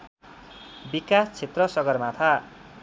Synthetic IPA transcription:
bikast͡sʰet̪rʌsʌɡʌrmat̪ʰa

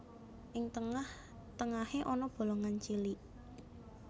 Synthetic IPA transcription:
ʔɪŋt̪əŋah | t̪əŋaheʔɔnɔb̥o̤lɔŋant͡ʃiliʔ

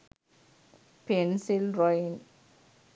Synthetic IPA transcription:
pensilɾɔjn

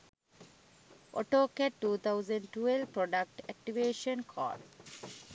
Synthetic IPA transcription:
ʔɔ̰ʈoːkeʈːuːt̪ʰaʊzə̃ɳɖʈuelʋpɾɔɖak̚ʈɛk̚ʈiʋeːʃə̃nkʰɔ̰ːɖ

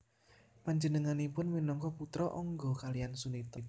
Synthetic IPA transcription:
paɲd͡ʒənəŋanipʊnminɔŋkɔput̪ɾɔʔɔŋɡɔkaliansunit̪ɔt̪

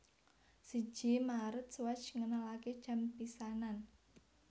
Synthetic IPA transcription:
si̥ʒ̥imaɾət̪̚swḁt͡ʃŋənalaked̥ʒ̥a̤mpisanan

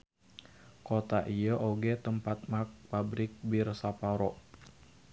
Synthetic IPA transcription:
kot̪aʔijəʔoɡɛt̪əmpat̪̚mak̚pabɾɪk̚birsapaɾɔ

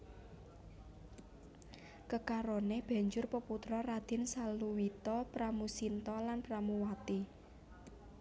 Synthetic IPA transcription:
kəkaɾoneb̥ä̤ɲd͡ʒʊrpəput̪ɾɔrad̪̥ɪ̤nsaluwit̪ɔpɾamusint̪ɔlanpɾamuwat̪i

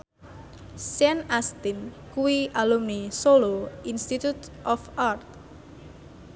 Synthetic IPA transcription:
sɛnast̪ɪn | kuwiʔalumnisoloinst̪it̪ut̪ʔɔfart̪̚

